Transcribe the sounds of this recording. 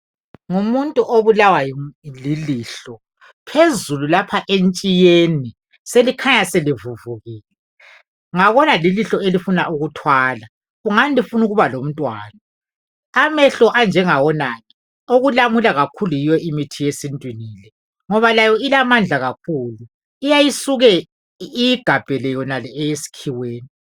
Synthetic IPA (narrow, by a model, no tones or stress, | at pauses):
ŋumuntʼuʔoβulawajɔliliːɬɔ | pʰezululapʰaʔent͡ʃʼijeni | selikʰaɲaselivuvuɣiːlɛ | ŋaβɔnaliliɬɔelifunaʔuɣutʰwaːla | ɣuŋanilifunuɣuβalom̩tʼwa̰ːnaː | mɛɬɔʔand͡ʒʱɛŋawɔnaːni | oɣulamulaɣakʰulujijɔimitʰijesintʼwiniːlɛ | ŋɔβalajɔilamand͡ɮʱaɣak̚ʰuːlu | ijajisuɣɛ | ijiɡ̥ʱab̥ʱɛlɛjɔnalɛɛjesi̥kʰiweːni